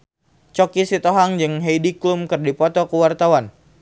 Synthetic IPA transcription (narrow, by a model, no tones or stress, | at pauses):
t͡ʃɔkisit̪ɔɦaŋd͡ʒɨŋɦejdiklumkərdipɔt̪ɔkəwart̪awan